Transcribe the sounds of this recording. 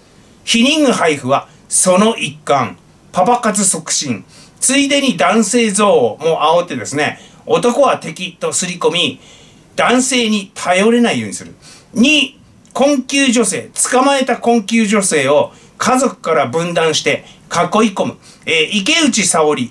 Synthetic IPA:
çiɲ̟ĩŋɡɯhaiɸɯ̟βa | so̞no̞ʔikːãɴ | pabakat͡sɨso̞kɯ̟̥ɕĩn | t͡sɨid̪e̞ɲ̟id̪ãɰ̃se̞ːzo̞ːmo̞ʔaot̪ːe̞d̪e̞sɨne̞̰ | o̞t̪o̞ko̞βat̪e̞kʲit̪o̞sɨɾʲiko̞mʲi | d̪̥ãɰ̃se̞ːɲ̟it̪ʰajo̞ɾe̞naijo̞ːɲ̟isɨɾɯ̟ | ɲ̟i | kõ̞ŋkʲɨːʑo̞se̞̰ːt͡sɨ̥kamae̞t̪akõ̞ŋkʲɨːʑo̞se̞ːo̞ | kʰazo̞kɯ̟̥kaɾabɯ̟̃nd̪ãɰ̃ɕi̥t̪e̞kakːo̞iko̞mɯ̟ | ʔike̞ɯ̟t͡ɕisao̞ɾʲi

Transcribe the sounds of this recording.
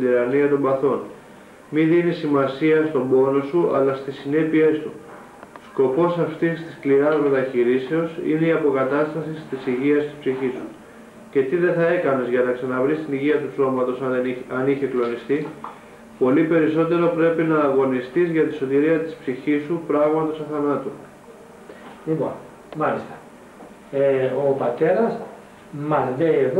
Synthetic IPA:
d̪iɾɐniɐt̪o̞mbɐθo̞n | miðinisimɐsiɐst̪o̞mbo̞no̞suɐ̰lɐst̪isine̞pie̞st̪u | sko̞po̞sɐft̪ist̪i̥skliɾɐzme̞t̪ɐçiɾiseo̞sḭne̞iɐpo̞kɐt̪ɐst̪ɐsist̪isiʝiɐst̪i̥spsiçisu | ce̞t̪iðe̞θɐe̞kɐne̞zʝɐnɐksɐnɐvɾist̪iniʝiɐt̪uso̞mɐt̪o̞sɐɐniçe̞klo̞nist̪i | po̞lipe̞ɾiso̞t̪e̞ɾopɾe̞pinɐːɣo̞nist̪izʝɐt̪iso̞t̪iɾiɐt̪i̥spsiçisupɾɐɣmɐt̪o̞sɐθɐnɐt̪u | lipo̰n | mɐlist̪ɐ̥ | eopɐt̪e̞ɾɐs | mɐzðeːð

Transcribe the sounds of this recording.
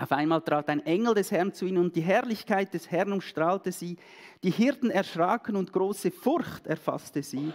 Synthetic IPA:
ʔaʊfaɪnmaːltʁ̥aːtaɪnʔɛŋl̩dɛshɛʁnt͡suiːnənʊnt̚d̥iːɦɛʁlɪçkʰaɪt̚d̥ɛshɛʁnʊmʃtʁ̥aːltəziː | d̥iːhɪʁtn̩ɛɐʃʁaːkənʊntɡ̥ʁoːsəfʊɾçtɛɐfa̰stəz̥iː

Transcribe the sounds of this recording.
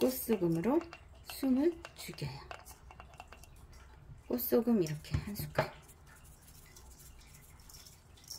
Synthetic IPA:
k͈os͈oɡɯmɯɾo | sʰumɯɭt͡ɕuɡieja | k͈os͈oɡɯmiɾʌkʰe̞hansʰu̥kʰajo

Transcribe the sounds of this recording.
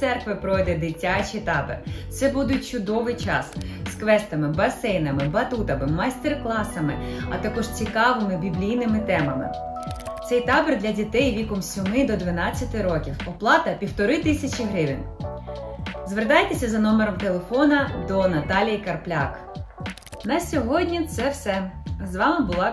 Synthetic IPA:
sɛrkʋɪpɾɔjd̪ɛd̪ɪtʲat͡ʃijt̪ɑbḛrt̪sɛbud̪ʊt̚ʲt͡ʃʊd̪ɔʋɪjt͡ʃɑ̰sskʋɛst̪ɐmɪbɐsɛjnɐmɪbɐt̪ut̪ɐmɪmɐjst̪erklˠɑsɐmɪɐ̰t̪ɐkɔʒt͡sʲikɑʋɪmɪbʲiblʲijnɪmɪt̪ɛmɐmɪ̰ | t̪sɛjt̪ɑberd̪lʲɐdʲit̪ɛjʋʲikɔmsʲɔmɪd̪ɔd̪ʋɪnɑt͡sʲːɐt̪ɪɾɔkʲiwɔplˠɑt̪ɐpʲiwt̪ɔɾɪt̪ɪsʲɐt͡ʃʲiɦɾɪʋʲin | zʋert̪ɑjt̪esʲɐzɐnɔmeɾɔmt̪elˠefɔnɐd̪ɔnɐt̪ɑlʲijikɐrplʲak | nɐsʲɔɦɔdʲnʲit̪sɛwsɛzʋɑmɪbʊlˠɑ

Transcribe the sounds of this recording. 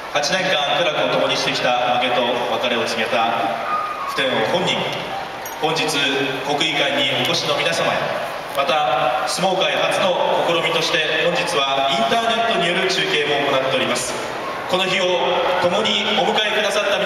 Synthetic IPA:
hat͡ɕinẽ̞ŋkãŋkɯɾakɯ̟ot̪o̞mo̞ɲ̟iɕi̥t̪e̞kʲi̥t̪amake̞t̪o̞βakaɾe̞o̞t͡sɨme̞t̪a | ɸɯ̟̥t̪ẽ̞ɰ̃ohõ̞ɲ̟ːĩŋ | hõ̞ɲ̟d͡ʑit͡sɨko̞kɯ̟ikaiɲ̟iʔo̞ko̞ɕino̞mʲinasamaḛ | mat̪asɨmo̞ːkaihat͡sɨno̞ko̞ko̞ɾo̞mʲit̪o̞ɕi̥t̪e̞hõɲ̟d͡ʑit͡sɨβaĩnt̪aːne̞t̪ːo̞ɲ̟ijo̞ɾɯ̟t͡ɕɨːke̞ːmo̞ːko̞nat̪ːe̞o̞ɾʲimasɨ̥ | ko̞no̞çio̞t̪o̞mo̞ɲ̟io̞mɯ̟kaekɯd̪asat̪ːam

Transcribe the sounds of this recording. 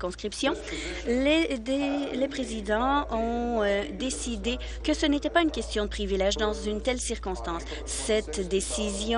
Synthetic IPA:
kɔ̃skχipsjɔ̃ | led̪elepχezid̪ɑ̃ɔ̃ød̪esid̪e | kəsənet̪ɛpaynkʲɛst̪jɔ̃d̪əpχivilɛʒd̪ɑ̃zynt̪ɛlsiʁkɔ̃st̪ɑ̃sː | ɛt̪d̪esizj̃

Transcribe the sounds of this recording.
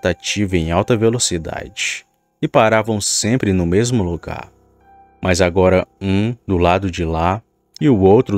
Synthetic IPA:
t̪at͡ʃivɐẽj̃awt̪ɐvelosid̪a̰d͡ʒɪ | ɪpaɾavɐ̃w̃sẽmpɾɪnʊmezmʊloɡa̰ɾ | mʔɐzaɡɔɾɐũd̪ʊlad̪ʊd͡ʒɪla | ɪʊowt̪ɾʊ

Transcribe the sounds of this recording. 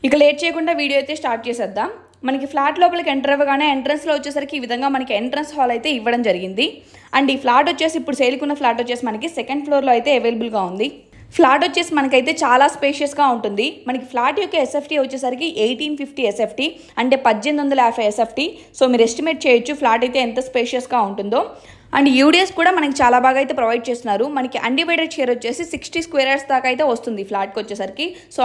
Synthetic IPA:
ikːɐɭeːʈ̚t͡ʃeːjɐkuɳɖaːʋiːɽijoːjt̪e̞ːsʈaːɾʈ̚t͡ʃɛːsɛd̪ːaː | mɐnɐkipʰlaːʈlɔːpɐlɐkeɳʈɐɾɐʋɐɡaːneːeɳʈɾɐnslo̞ːʋɐt͡ʃːeːsaːɾikiːʋid̪ʱɐŋɡaːmɐnɐkieɳʈɐɾɐnsɦɔːlɐjt̪e̞ːiʋːɐɽɐmd͡ʒɐɾiɡind̪i | ɐɳɖiːpʰlaːʈot͡ʃːe̞ːsiːpːuɽuseːlikunːɐpʰlaːʈot͡ʃːe̞ːsimɐnɐkisekɐɳɖpʰloːɾloːɐjt̪e̞ːɐʋeːlɐbulɡaːund̪i | pʰlaːʈot͡ʃːe̞ːsimɐnɐk̬ɐjt̪e̞ːt͡ʃaːlaːspeːʃiɐsɡaːuɳʈund̪imɐnɐki̥pʰlaːʈjokːeːesepʰʈiʋɐt͡ʃːeːsɐɾikiʔejʈiːnpʰipʰʈiːesepʰʈi | ɐɳʈe̞ːpɐd͡ʒːend̪ond̪ɐlɐaːpʰɐesepʰʈi | so̞ːmiːɾuesʈime̞ːʈ̚t͡ʃeːjɐt͡ʃːupʰlaːʈɐjt̪e̞ːɛnt̪ɐspeːʃijɐsɡaːuɳʈund̪o̞ː | ɐ̰ɳɖijuːɽieskuːɽaːmɐnɐk̬it͡ʃaːlaːbʱaːɡaːjt̪e̞ːpɾɐʋɐjɖ̚t͡ʃe̞ːst̪unːaːɾumɐnɐkiʔɐ̰ɳɖiʋɐjɖɐt͡ʃeːɾot͡ʃːe̞ːsisiksʈiskʋeːɾaɾst̪aːkɐjt̪e̞ːʋɐst̪und̪ipʰlaːʈ̚kʋɐt͡ʃːeːsɐɾiki | soː

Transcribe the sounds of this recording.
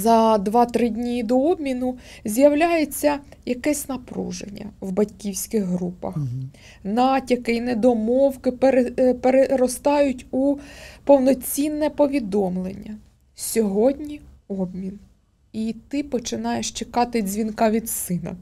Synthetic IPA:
zɐd̪ʋɑt̪ɾɪdʲnʲid̪ɔɔbmʲinʊzʲjɐwlʲajet͡sʲːɐjɐkɛsʲnɐpɾṵʒḛnʲːɐ̰wbɐtʲkʲiwsʲkɪɣɦɾupɐ̰x | nɑtʲɐkɪinɛd̪ɔmɔwkɪpeɾepeɾeɾɔst̪ɑjʊtʲupɔwnɔt͡sʲinːɛpɔʋʲid̪ɔmlˠenʲːɐ | sʲɔɦɔdʲnʲiɔbmʲin | it̪ɪpɔt͡ʃɪnɑjeʃt͡ʃekɑt̪ɪzʲʋʲinkɑʋʲid̪sɪnɐ̰

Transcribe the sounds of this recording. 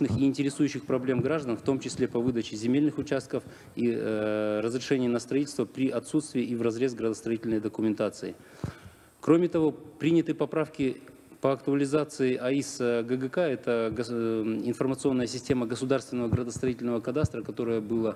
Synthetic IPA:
nɨxiɪnʲtʲɪɾʲɪsujʉɕːɪxpɾɐblʲe̞mɡɾaʐd̪ənft̪o̞mt͡ɕɪsʲlʲe̞pɐvɨd̪ət͡ɕɪzʲɪmʲelʲnɨxʊt͡ɕast̪̚kəf | i | ɾəzɾʲɪʂɛnʲɪɪnəst̪ɾɐitʲɪlʲst̪vəpɾʲiʔɐt̪sut̪st̪vʲɪːʔivrɐzɾʲe̞sɡɾəd̪əst̪ɾɐitʲɪlʲnəjd̪əkʊmʲɪnt̪at̪sɨɪ | kɾomʲɪt̪ɐvo̞pɾʲinʲɪt̪ɨpɐpɾafkʲɪ | pəɐkt̪ʊɐlʲɪzat̪sɨɪʔɐisɡəɡəkaɛt̪əɡəɪnfərmət̪sɨo̞nːəjəsʲɪsʲtʲe̞məɡəsʊd̪arst̪vʲɪnəvəɡɾəd̪əst̪ɾɐitʲɪlʲnəvəkɐd̪ast̪ɾəkɐt̪o̞ɾəjəbɨlˠə

